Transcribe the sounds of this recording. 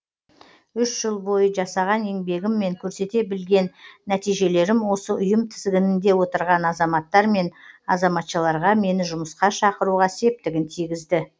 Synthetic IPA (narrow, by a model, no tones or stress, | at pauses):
ʏʃʒəlˠbo̞jəʒɑsɑʁɑne̞ŋbe̞ɡʲɪmːe̞ŋkʲʰɵɾse̞t̪e̞bɪlɡʲe̞nːæt̪ijʒe̞le̞ɾɪmwo̞səʔʊjəmt̪ʰɪzɡʲɪnɪnd̪e̞wo̞t̪əɾʁɑnɑzɑmɑt̪ːɑɾme̞nɑzɑmɑt̪ʃəlˠɑɾʁɑme̞nɪʒʊməsqɑʃɑqəɾuʁɑse̞p̚t̪ɪɡʲɪnt̪ʰijɡʲɪzd̪ɪ